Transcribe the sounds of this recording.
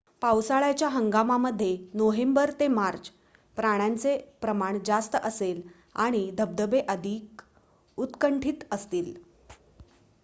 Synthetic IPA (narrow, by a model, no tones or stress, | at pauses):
pawsaɭat͡ɕjaɦəŋɡamaməd̪ʱːjenoɦembəɾt̪emaɾt͡ɕ | pɾaɽ̃jant͡sepɾəmaɳd͡zast̪əʔəsel | a̰ɽ̃id̪ʱəb̚d̪əbeʔəd̪ʱiːk | ut̪kəɳʈʰiːt̪əst̪iːl